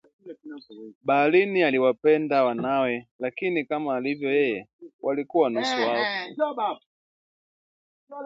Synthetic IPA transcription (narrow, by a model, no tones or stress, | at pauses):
baːlinialiwapɛndawanawɛlakinikamaːlivjɔjɛjɛwʔalikuwanusuakɛ